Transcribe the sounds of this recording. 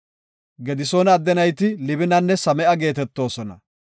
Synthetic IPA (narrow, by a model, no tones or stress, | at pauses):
ɡɛd̪ɪsoːnɐd̪ːɛnɐjt̪ɪlɪbɪnɐnːɛsɐmɛʔɐɡe̞ːt̪ɛt̪ːo̞ːsɔnɐ̰